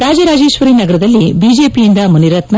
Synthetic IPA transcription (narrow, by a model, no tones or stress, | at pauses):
ɾaːd͡ʒɐɾaːd͡ʒeːʃʋɐɾinɐɡɐɾɐd̪ɐlːibiːd͡ʒeːpijind̪ɐmuniɾɐt̪nɐ